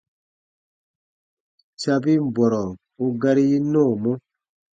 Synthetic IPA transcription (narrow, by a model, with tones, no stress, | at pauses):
t͡ʃa˧bi˦m˨bɔ˨ɾɔ˨ | u˧ɡa˧ɾi˦nɔ̃ː˦˨mɔ˦